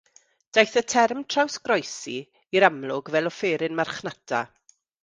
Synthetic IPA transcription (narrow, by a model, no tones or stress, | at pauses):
d̥ajθətʰɛrmtʰrawsɡrɔjsi | iɾamlˠʊɡvɛlˠɔfeːɾɪnmarχnatʰa̰